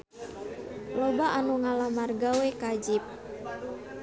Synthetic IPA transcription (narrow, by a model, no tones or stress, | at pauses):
lobaʔanuŋalamarɡawɛkad͡ʒip̚